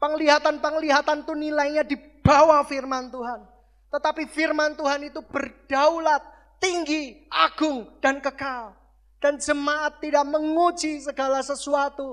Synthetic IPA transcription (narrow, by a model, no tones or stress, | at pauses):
pəŋliɦat̪anpəŋliɦat̪ant̪unilajɲadi | b̥awafirmant̪uɦan | t̪ət̪apifirmant̪uɦanit̪ub̥ərd̥aulat̪̚ːiŋɡiʔaɡ̥ʊŋd̥ankəkal | d̥and͡ʒəmaʔat̪ːidaʔməŋud͡ʒisəɡalasəsuat̪u